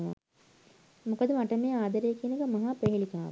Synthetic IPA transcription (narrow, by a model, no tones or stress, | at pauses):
ʋa̰ | mukəd̪əmaʈəmeːaːd̪ɐɾejːkiənəkəmɐɦaːpɾeɦelikaːʋ